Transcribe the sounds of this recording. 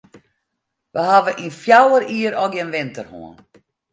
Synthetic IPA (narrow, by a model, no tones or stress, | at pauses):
ʋəhavəʔinfjawəɾiːəɾɔɡɪnʋɪntərho̰ən